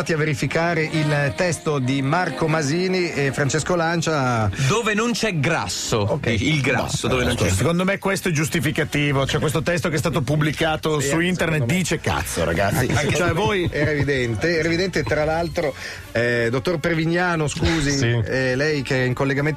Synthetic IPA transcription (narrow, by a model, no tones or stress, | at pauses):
at̪iavːeɾifikaːɾeʔilt̪ɛst̪od̪imarkomaziːniefɾant͡ʃeskolant͡ʃad̪oːvenont͡ʃɛɡɾa̰sːookilɡɾasːod̪oːvenont͡ʃɛsekond̪omekːwest̪oɛd͡ʒust̪ifikat̪iːvot͡ʃoɛkwes̬t̪ot̪ɛst̪ok̬ɛst̪aːt̪̬opublikaːt̪osuint̪ernet̪̚d̪iːt͡ʃeka̰t̪sːo̰ɾa̰ɡa̰t̪sːit͡ʃoɛvoːjɛːɾaevid̪ɛnt̪eɛːɾaevid̪ɛnt̪et̪ɾalalt̪ɾo | ɛd̪ot̪ːorpɾeviɲːaːnoskuːziɛlɛjkeiŋkolːeɡamen